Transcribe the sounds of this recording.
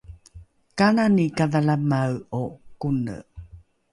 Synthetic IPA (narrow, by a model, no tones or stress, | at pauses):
kananikaðalamawokunə̰